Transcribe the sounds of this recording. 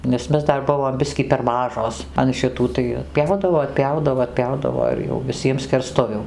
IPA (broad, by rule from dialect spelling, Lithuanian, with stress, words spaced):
nʲɛs ˈmʲɛs ˈdɐr ˈbʊʋoːm ˈbʲɪsʲkʲiː pʲɛr ˈmɑːʒoːs ɐn ʃʲɪˈtuː tɐɪ ɐtʲˈpʲjɛʊdɐʋoː ɐtʲˈpʲjɛʊdɐʋoː ɐtʲˈpʲjɛʊdɐʋoː ɪr jɛʊ ʋʲɪˈsʲiɛm sʲkʲɛrˈstʊʋʲuː